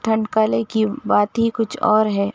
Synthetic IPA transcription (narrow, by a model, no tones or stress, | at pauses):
ʈ̪ʰɐ̃ɳɖkaːlẽkibaːt̪ɦikʊt͡ʃʰɔ̰ːɾɦɛː